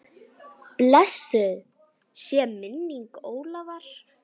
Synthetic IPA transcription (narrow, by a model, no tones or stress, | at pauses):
plɛsːʏð | sjɛmɪnːiŋkoːwlavaɾ̥